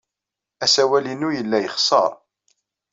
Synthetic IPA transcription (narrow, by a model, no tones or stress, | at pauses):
æsæwælinujəlːæjəχsˤɑ̰ɾˤ